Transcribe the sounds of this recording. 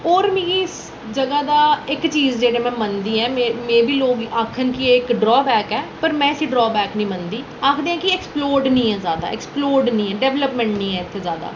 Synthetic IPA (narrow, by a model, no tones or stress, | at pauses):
ɔːɾmĩːɡiɪs | d͡ʒəɡaːd̪aːɪkt͡ʃiːzd͡ʒeːɽeːmɛ̃ːmənd̪iːɛːmeːmẽːʋiːloːɡaːkʰənkieɪkɖɾɔːbɛːkɛːpəɾmɛ̃ːɪsĩːɖɾɔːbɛːknĩːmənd̪iː | aːkʰd̪eːãːkɪɛːksploːɾɖnĩːɛːzaːd̪a̰ːɛksploːɾɖnĩːɛːɖɛːʋləpmɛ̃ɳʈnĩːɛ̃ːɪt̪ʰːeːzjaːd̪a̰ː